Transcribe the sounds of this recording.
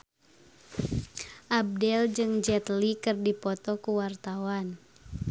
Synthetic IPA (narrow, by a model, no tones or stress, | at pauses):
ʔab̚dɛld͡ʒɨŋd͡ʒɛt̪likɨrdipɔt̪ɔkuwart̪awan